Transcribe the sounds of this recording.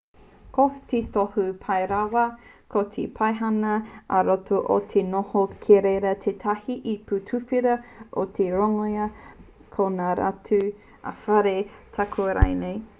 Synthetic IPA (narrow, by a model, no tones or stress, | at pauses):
kot̪et̪ohupʰɐjɾawɐkʰot̪ʰḛpʰajɦɐnɐɐɾotoʔo̰t̪ʰenohokʰeɾeɾɐt̪ʰet̪ʰɐhiʔiputʰufiɾɐʔotʰeɾoŋojɐ | kʰonaːɾa̰tʰʉ | a̰fɐɾetʰakʰuɐɾa̰jnej